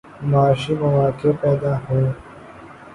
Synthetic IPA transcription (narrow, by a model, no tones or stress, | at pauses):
maːʃimɐʋaːkepɛːd̪aːhõː